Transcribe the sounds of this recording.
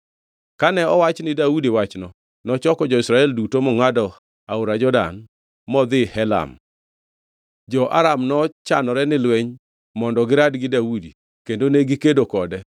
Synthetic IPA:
kanɛɔwat͡ʃnɪdaudiwat͡ʃnɔ | nɔt͡ʃɔkɔd͡ʒɔɪsɾaɛldutomɔŋadɔ | aʊɾad͡ʒɔda̰n | mɔd̪ɪhɛla̰m | d͡ʒɔʔa̰ɾamnɔt͡ʃanɔɾɛnɪlweɲ | mɔndɔɡɪɾadɡɪdaudi | kendoneɡɪkedokɔdɛ

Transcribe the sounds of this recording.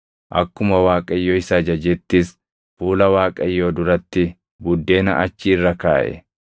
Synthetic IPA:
ʔɐ̰kːʊmɐwaːkʼɐjːoːɪsɐd͡ʒɐd͡ʒɛt̪ːɪs | fuːlɐwaːkʼɐjːo̞ːd̪ʊɾɐt̪ːɪ | bʊd̪ːe̞ːnɐ̰ʔɐt͡ʃːiːrːɐka̰ːʔɛ̰

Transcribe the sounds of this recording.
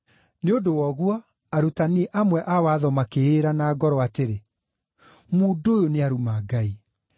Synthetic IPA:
neodowɔɣwɔ | aɾutaniɛʔamwɛʔawaːðɔmakeeɾanaːɡɔɾɔateɾe | muːdoːjoneaɾumaːɡai

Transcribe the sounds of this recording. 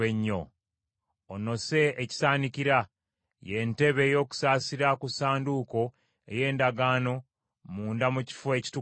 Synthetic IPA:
eɲːo̞ | ono̞se̞ːci̥saːniciɾa | je̞nte̞βeːjo̞ːku̥saːsiɾakusaːnduko̞ | ḛje̞ːndaɡaːno̞ | muːndamuci̥foeci̥tu

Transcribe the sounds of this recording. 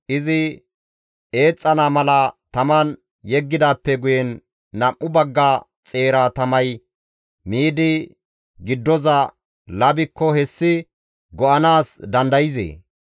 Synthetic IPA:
ʔɪzɪ | ʔe̞ːt͡sʼːɐnaːmɐlɐt̪ɐmɐn | jɛɡːɪd̪aːpːɛɡʊjɛnː | ɐʔːʊbɐɡːa | t͡sʼe̞ːɾaːt̪ɐmɐj | miːd̪ɪ | ɡɪd̪ːɔzɐ | lɐbɪkːɔhɛsːɪ | ɡɔʔɐnaːsd̪ɐnd̪ɐjɪzḛː

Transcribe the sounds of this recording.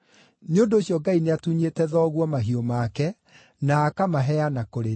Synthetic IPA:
neondoːɕiɔɡaineatuɲetɛðɔːɣwɔmaɦiɔmaːkɛ | naːkamaɦɛanakoɾe

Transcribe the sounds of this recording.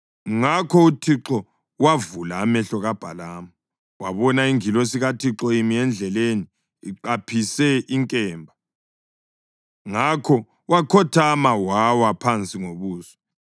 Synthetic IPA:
ŋakʰɔutʰiǁɔ | wavulaːmɛɬɔɣab̥ʱa̰laːma | waβɔnaiŋilɔsiɣatʰiǁɔimiɛnd͡ɮʱɛleniː | ǃapʰisɛiŋkʼɛːmbʱa | ŋakʰɔ | wakʰɔtʰamawawapʰant͡sʼiŋoβuːsɔ̥

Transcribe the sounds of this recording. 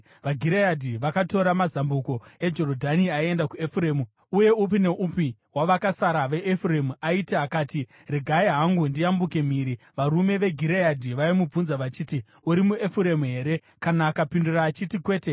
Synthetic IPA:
ʋaɡʱiɾejadʱiʋakato̞ɾamazambuko̞e̞d͡ʒo̞rodʱaniaie̞ndakuefureːmu | uje̞up̬ine̞ʔupiwaʋakasaɾaʋe̞ʔːfuremuaiteakaːti | reɡʱaeɦaŋɡundiambuke̞m̤iːɾi | ʋaɾume̞ʋe̞ɡʱiɾejadʱiʋaimub͡vunzaʋat͡ʃiːti | uɾimue̞fuɾe̞muɦe̞ːɾe̞ | kanaːkapinduraːt͡ʃitikwe̞ːte

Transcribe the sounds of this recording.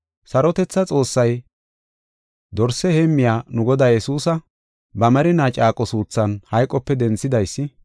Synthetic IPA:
sɐɾɔt̪ɛt͡sːɐt͡sʼo̞ːsːɐj | d̪ɔɾsɛheːmːɪjaːnʊɡɔd̪aːjɛsuːsɐ | bɐmɐɾɪnaːt͡ʃʼaːkʼɔsuːt͡sːɐnhɐjkʼːɔpːɛd̪ɛnt͡sːɪd̪ɐjsːɪ

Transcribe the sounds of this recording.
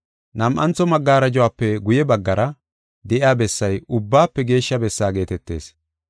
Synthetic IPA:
nɐmʔɐnt͡sːɔmɐɡːaːɾɐd͡ʒɔwaːpːɛɡʊjɛbɐɡːɐɾɐ | d̪ɛʔɪjaːbɛsːɐjʊbːaːpːɛɡe̞ːʃːɐbɛsːaːɡe̞ːt̪ɛt̪ːe̞̰ːs

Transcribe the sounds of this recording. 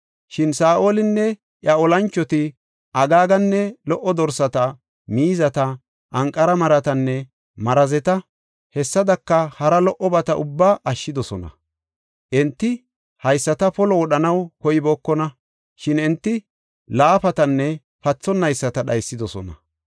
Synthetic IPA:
ʃɪnsaːʔoːlɪnːɛ | ʔjɐɔlɐnt͡ʃːɔt̪ɪ | ʔɐɡaːɡɐnːɛlɔʔːɔd̪ɔɾsɐt̪ɐ | miːzɐt̪ɐ | ʔɐŋkʼːɐɾɐmɐɾɐt̪ɐnːɛ | mɐɾɐzɛt̪ɐ | hɛsːɐd̪ɐkːɐhɐɾɐlɔʔɔbɐt̪ɐʔʊbːaːʔɐʃːɪd̪ɔsɔnɐ̰ | ʔɛnt̪ːɪ | hɐjsːɐt̪ɐpɔlɔwɔɗɐnɐwkɔjɪboːkːɔnɐ | ʃɪnɛnt̪ːɪ | laːpɐt̪ɐnːɛ | pɐt͡sːɔnːɐjsːɐt̪ɐɗɐjsːɪd̪ɔsɔ̰nɐ̰

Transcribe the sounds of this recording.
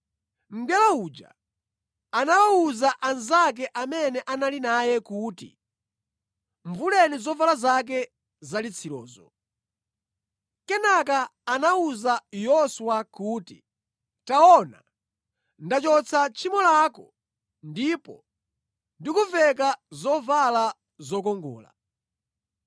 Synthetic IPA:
m̩ɡɛlaud͡ʒa̰ | anawauzaʔanzak̬ɛʔamɛnɛʔanalinajɛkuːtḭ | ɱvulɛnizɔvalazak̬ɛ | zalit͡sʰilɔ̰ːzɔ̰ | kɛnakaːnauzajɔswakuːti | taɔna̰ | ndat͡ʃɔt͡sʰat͡ʃʰimɔlakɔ | ndipɔ̰ | ndikuvɛkazɔvala | zɔkɔŋɡɔ̰ːla̰

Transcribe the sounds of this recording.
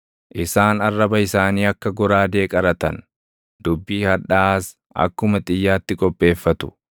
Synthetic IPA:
ʔɪsaːnɐrːɐbɐɪsaːniːɐkːɐɡɔɾaːd̪e̞ːkʼɐɾɐt̪ɐn | d̪̥ʊbːiːhɐᶑaːs | ʔɐ̰kːʊmɐt̪ʼɪjːaːt̪ːɪkʼɔpʼːe̞ːfːɐt̪ʊ̥

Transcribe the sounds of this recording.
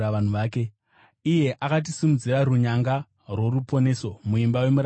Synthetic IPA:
aʋan̤uʋaːke̞ | ije̞ʔakat̬isimud͡ziɾaɾuɲaŋɡa | rwo̞ɾupo̞ne̞so̞muimbawe̞muɾa

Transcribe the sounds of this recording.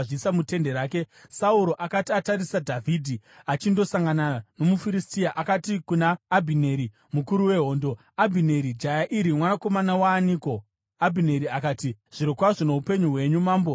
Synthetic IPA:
ʐisamute̞nde̞ɾaːke̞sauɾo̞ʔakatataɾisadʱavʱiːdʱi | at͡ʃindo̞saŋɡanano̞mufiɾistiaʔakatikunaːbʱineːɾi | mukuɾuwe̞ɦo̞ːndo̞ | abʱine̞ɾid͡ʒajaʔiɾimwanako̞manawaːniːko̞ | abʱine̞ɾiakaːtiʐ̥iɾokwaʐono̞upe̞ɲuɦwe̞ɲumaːmbo

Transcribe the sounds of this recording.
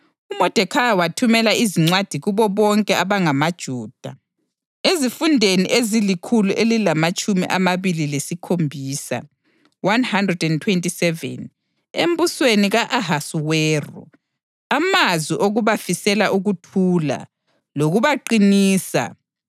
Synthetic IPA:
umɔd̥ʱɛkʰajawatʰumɛlaiziŋ͡ǀwad̥ʱiɣuβɔβɔŋkʼɛʔaβaŋamad̥ʒ̥ʱuːd̥ʱa̰ | ezifundʱenḭʔezilikʰuluʔelilamat͡ʃʼumiʔamaβililesikʰombʱiːsa̰ | wanhandrɛdɛntʰwentʼisɛvɛ̰n | em̩busweniɣaʔaɦasuweːrṵ | amazwiʔoɣuβafisɛlaʔuɣutʰuːla̰ | loɣuβaǃiniːsa̰

